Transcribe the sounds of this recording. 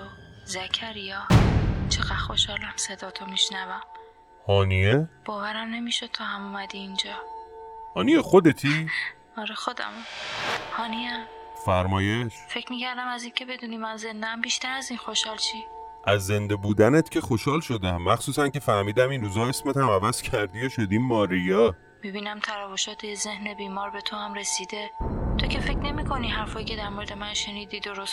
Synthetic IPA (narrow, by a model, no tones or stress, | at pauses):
ozæcʰæɾijɒːt͡ʃʰeɣædχo̞ʃhɒːlæmse̞d̪ɒːt̪ʰomiʃnævæm | hɒːnijeb̥ɒːvæɾæmne̞miːʃo̞d̪̥̚t̪ʰɒːhæmumæd̪iːnd͡ʒɒː | hɒːniexod̪et̪ʰi | ɒɾexo̞d̪æ̰muhɒːniæm | fæɾmɒːjeʃfe̞cmiːcʰæɾd̪æmæziːncʰe̞be̞d̪uːniːmænze̞nd̪eæmbiːʃt̪æɾæziːnxo̞ʃhɒːlt͡ʃʰiː | ʔæzːe̞nd̪ebuːd̪ænet̪cʲʰe̞xoʃhɒːlʃo̞d̪æmːæxsuːsænce̞fæhmiːd̪æminɾuːzɒːesmet̪hæmævæz̥cʰæɾd̪iːjoʃod̪iːmɒːɾijɒ | mibiːnæmt̪ʰæɾæːvoʃɒːt̪ʰeze̞hne̞biːmɒːɾbe̞t̪ʰohæmɾe̞siːd̪e̞t̪ʰocʰʲe̞fe̞cʰne̞miːkʰo̞niɦæɾfɒːjiːcʰe̞d̪æɾmoɾed̪e̞mænʃe̞niːd̪iːd̪o̞ɾos